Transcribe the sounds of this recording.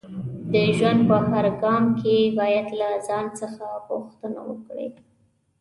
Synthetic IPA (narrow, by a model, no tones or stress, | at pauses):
d̪əʒwand̪̚pəhaɾɡɑmkebɑjad̪lazɑnt͡səxaɣʊxt̪əna̰wə̰kɽḛ